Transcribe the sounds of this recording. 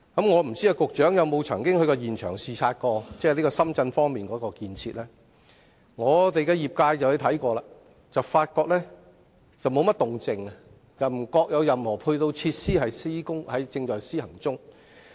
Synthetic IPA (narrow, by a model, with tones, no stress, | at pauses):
kɐ˨˥mŋɔː˨˧m̩˨˩t͡si˥aː˧kʊ˨k̚t͡ʃœː˨˥ŋjɐ˨wmo˨˧wt͡sʰɐ˨˩ŋkɪ˥ŋhɵ˧ɥkɔː˧jiː˨˩nt͡ʃʰœː˨˩ŋsiː˨˧t͡sʰaː˧t̚kɔː˧t͡sɛː˥liː˥kɔː˧sɐ˥mt͡sɐ˧nfɔː˥ŋmiː˨˩nkɔː˨˥kɔː˧kiː˧nt͡sʰiː˧t̚lɛː˥ | ŋɔː˨˧t̪e˨jkɛː˧jiː˨˩p̚kaː˧jt͡sɐ˨wht̪ʰɐ˨˥jkɔː˧laː˨˧ | t͡sɐ˨wfaː˧t̚kɔː˧k̚lɛː˥ | t͡sɐ˨wmo˨˧wmɐ˥t̚t̪ʊ˨ŋt͡sɪ˨ŋ˨ | jɐ˨˩m̩˨˩kɔː˧k̚jɐ˨˧wjɐ˨mhɔː˨˩pʰʊ˧ɥt̪o˧wt͡sʰiː˧t̚siː˥hɐ˨jsi˥kʊ˥ŋhɐ˨˥jt͡sɪ˧ŋt͡ʃɔː˨˩jsiː˥hɐ˨˩ŋt͡sʊ˥ŋ